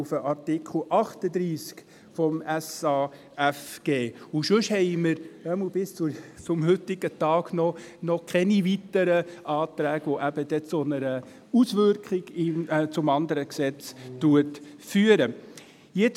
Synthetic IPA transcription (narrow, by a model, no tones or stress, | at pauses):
ufəʔɑɾtikχl̩ʔɑχt̪əd̪ɾiːsk | fɔmæsɑː | æfɡ̥eːʊʃʉʃhɛɪməɾœml̩b̥ɪst͡sut͡sʊmhʏtɪɡ̥ət̪ɑːɡ̥nɔ | nɔkʰχɛnivitəɾəʔɑːt̪ɾæːɡʋoʔæb̥əd̥̪ɛt͡sonəɾə | usʋʏɾkχɪɡ̥it͡sʊmɑnd̪əɾəksɛt͡stuətfyːəɾə | jet͡s